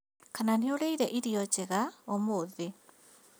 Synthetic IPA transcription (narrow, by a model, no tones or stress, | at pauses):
kananeoɾeiɾɛʔiɾiɔt͡ʃeɣaomoðe